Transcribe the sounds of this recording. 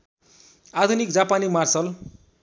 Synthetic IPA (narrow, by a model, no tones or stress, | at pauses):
ad̪ʱunikd͡zapanimarsʌl